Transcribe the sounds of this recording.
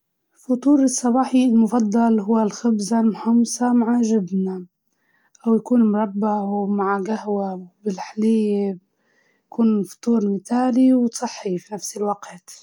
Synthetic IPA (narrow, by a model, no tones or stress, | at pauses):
fʊt̪ˤuːɾɨsˤːɑbɑːħilmʊfɑd̪ˤːɑlɦʊwːalxɪbzalmʊħɑmsɑmaʕaʒɪb̪na | ʔawjakuːnmʊɾˤɑbːamaʕɡahwabɪlħalɪjːe | jakuːnfʊ̥t̪ˤuːɾmɪt̪aːliwt̪sˤɨħːifinafsɪlwaqt̪